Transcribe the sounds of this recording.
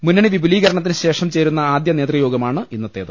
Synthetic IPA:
munːɐɳeʋibʱuliːɣɐɾɐɳɐt̪ːinɨɕe̞ːʂɐmt͡ɕe̞ːɾunːɐaːd̪jɐneːt̪rijo̞ːɡɐmaːɳɨʔinːɐt̪ːeːðɐ

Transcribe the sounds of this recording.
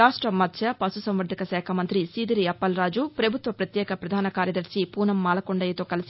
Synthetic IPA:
aːʂʈɾɐmɐt̪ʃʰjɐpɐsusɐmʋɐɾd̪ʱikɐʃɛːkʰɐmɐnt̪ɾisiːd̪iɾiɐpːɐlɾaːd͡ʒupɾɐbʱut̪ʋɐpɾɐt̪jɛːkɐpɾɐd̪ʱaːnɐkaːɾjɐd̪ɐɾsipuːnɐmːaːlɐkoɳɖɐjet̪oːkɐlɐsi

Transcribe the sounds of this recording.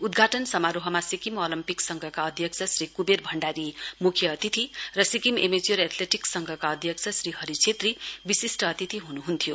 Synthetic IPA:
ud̪ɡʱaʈʌnsʌmaɾoɦʌmasikimolimpiksʌŋɡʱʌkaʌd̪ʱjʌk̚t͡sʰʌsɾikuberbʱʌɳɖaɾimukʰjʌʌt̪it̪ʰirʌsikimemed͡zioɾet̪ʰleʈiksʌŋɡʱʌkaʌd̪ʱjʌk̚t͡sʰʌsriɦʌɾit͡sʰet̪ribisisʈʌːt̪it̪ʰiɦunuɦunt̪ʰijo

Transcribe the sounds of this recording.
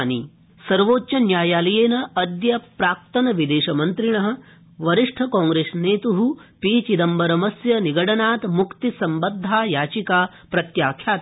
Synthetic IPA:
ni | sɐɾʋoːtːt͡ʃɐnjaːjaːlɐjeːnɐɐd̪jɐpɾaːk̚t̪ɐnɐʋid̪eːʃɐmɐnt̪ɾiɳɐɦɐ̆ | ʋɐɾiʂʈʰɐkaːŋɡɾeːsneːt̪uɦupiːt͡ʃid̪ɐmbɐɾɐmɐsjɐniɡɐɽɐnaːt̪mukt̪isɐmbɐd̪ʱːaːjaːt͡ʃikaː | pɾɐt̪jaːkʰjaːt̪

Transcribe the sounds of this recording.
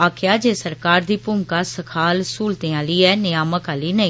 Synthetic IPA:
aːkʰjaːd͡ʒeːsəɾkaːɾd̪iːpʊːmkaːsəkʰaːlsuːlt̪ẽːaːliːɛːnɪjaːməkaːliːnəĩ

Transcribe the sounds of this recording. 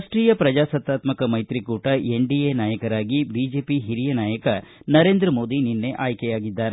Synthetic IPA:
sʈɾiːjɐpɾɐd͡ʒaːsɐt̪ːaːt̪mɐkɐmɐjt̪ɾikuːʈɐʔeɳɖienaːjɐkɐɾaːɡibid͡ʒe̞ːpiɦiɾijɐnaːjɐkɐ | nɐɾe̞ːnd̪ɾɐmo̞ːd̪ininːe̞ʔaːjkɛjaːɡid̪ːaːɾe

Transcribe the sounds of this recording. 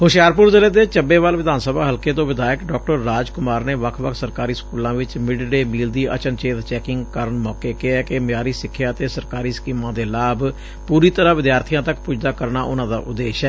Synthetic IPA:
hʊʃjaːɾpʊɾd͡ʒ̪əleːd̪eːt͡ʃəbeːʋalʋɪd̪aːnsəbaːɦəlkeːt̪õːʋɪd̪aːjəkɖɔːk̚ʈəɾːaːd͡ʒkʊmaːɾneːʋəkʰʋəkʰsəɾkaːɾiːskuːlãːʋɪt͡ʃmɪɖɖeːmiːld̪iːʔə̰t͡ʃənt͡ʃeːt̪t͡ʃɛːkɪŋɡkəɾəɳmɔːkeːkɪɛːkɪmɪjaːɾiːsɪkʰːjaːt̪eːsəɾkaːɾiːskiːmãːd̪eːlaːb | puːɾiːt̪əɾãːʋɪd̪jaːɾt̪ʰɪjãːt̪əkpʊd͡ʒd̪aːkəɾnaːʔʊnãːd̪a̰ːʔʊd̪eːʃɛː

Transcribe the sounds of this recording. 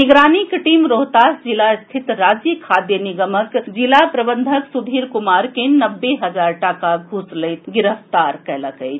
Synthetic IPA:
niɡɾanikʈimɾoɦt̪asd͡ʒilast̪ʰit̪ɾad͡ʒjəkʰad̪jəniɡəməkd͡ʒilapɾəbənd̪ʱəksud̪ʱiɾkumaɾkenəbːeɦəd͡ʒaɾʈakaɡʱusləjt̪ɡiɾəft̪aɾkɛləkəɪt͡ʃʰ

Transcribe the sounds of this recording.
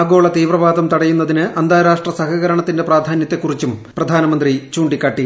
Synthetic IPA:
ɡo̞ːɭɐt̪iːʋrɐʋaːd̪ɐmt̪ɐɽɐjunːɐðinɨʔɐnd̪ʱaːɾaːʂʈrɐsɐɦɐɣɐɾɐɳɐt̪ːinde̞praːd̪ʱaːnjɐt̪ːe̞kːurit͡ɕːumprɐd̪ʱaːnɐmɐnd̪rit͡ɕuːɳɖikʲːaːʈːi

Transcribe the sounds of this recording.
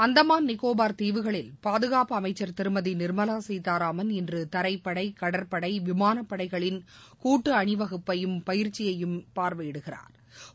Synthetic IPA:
ɐnd̪ɐmaːnnɪkːoːbaːɾt̪iːʋɯɣɐɭɪlpaːðɯɣaːpɐɐmɐɪt͡ʃːɐɾt̪ɪɾɯmɐðinɪɾmɐlaːsɛjt̪ːaːɾaːmɐnɪndrɯt̪ɐɾɐɪpːɐɽɐɪkɐɽɐɾpɐɽɐɪʋɪmaːnɐpːɐɽɐɪɣɐɭɪnkuːʈːɯɐɳɪʋɐɣɯpːɐjɯmpɐjɪɾt͡ʃːɪjɐjɯmpaːɾʋɐjɪɽɯɣɪra̰ːɾ

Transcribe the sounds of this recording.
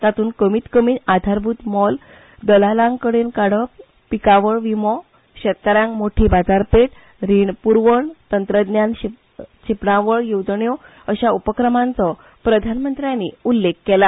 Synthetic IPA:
t̪at̪uːnkəmiːt̪kəmiːnad̪ʱaɾbʱut̪mɔl | d̪əlalãŋkəɽenkaɽəp | pikaʋəɭʋimɔ | ɕɛt̪̚kaɾjãŋkmoʈʰiːbad͡zaɾpeʈ̚ | ɾiɳpuɾʋəɳt̪ənt̪ɾəd̪njanɕ | t͡ɕʰipɳãʋəɭjod͡zɳjɔ | əɕaupəkɾəmãnt͡sɔ | pɾəd̪ʱanmənt̪ɾjanːiulːekːɛla

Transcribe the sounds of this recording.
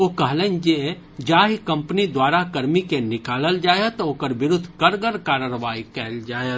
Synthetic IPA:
okəɦlɛ̃nd͡ʒe | d͡ʒaːɦikə̃mpnid̪waːɾakəɾmikenɪkaːləld͡ʒaːjət̪oːkəɾbɪɾʊd̪ʱːkəɾɡəɾkaːɾəɾbaːikɛːld͡ʒaː

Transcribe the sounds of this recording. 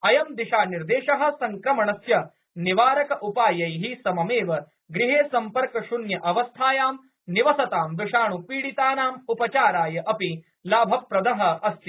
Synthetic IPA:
ɐjɐmd̪iʃaːniɾd̪eːʃɐɦɐ̆sɐŋkɾɐmɐɳɐsjɐ | niʋaːɾɐkɐʔupaːjɐjɦisɐmɐmeːʋɐ | ɡɾiɦeːsɐmpɐɾkɐʃunjɐʔɐʋɐst̪ʰaːjaːm | niʋɐsɐt̪aːmʋiʂaːɳupiːɽit̪aːnaːmupɐt͡ʃaːɾaːjɐʔɐpi | laːbʱɐpɾɐd̪ɐɦɐ̆ɐst̪i

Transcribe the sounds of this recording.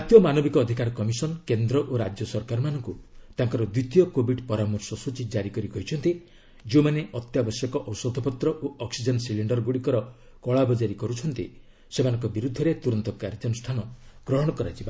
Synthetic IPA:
at̪jɔmanobikɔːd̪ʱikaɾkɔmisɔnkend̪ɾɔʔoɾad͡ʒjɔsɔɾkaɾɔmanɔŋkut̪aŋkɔɾɔd̪it̪ijɔkobiɖpɔɾamɔɾsɔsut͡ʃid͡ʒaɾikɔɾikɔɦit͡ʃʰɔnt̪i | d͡ʒemaneʔɔt̪jabɔsjɔkɔʔɔɔsɔd̪ʱɔpɔt̪ɾɔʔoɔksid͡ʒɔnsiliɳɖɔɾɡoɽikɔɾɔ | kɔɭabɔd͡ʒaɾikɔɾut͡ʃʰɔnt̪ḭ | semanɔŋkɔbiɾud̪ʱːɔɾet̪uɾɔnt̪ɔkaɾd͡ʒɔnɔsʈʰanɔɡ̥ɾɔɦɔɽ̃ɔkɔɾad͡ʒiba

